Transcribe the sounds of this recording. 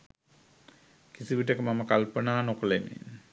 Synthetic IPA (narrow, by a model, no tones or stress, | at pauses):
kisiʋiʈ̬əkəmaməkalpənaːnokəlemḭn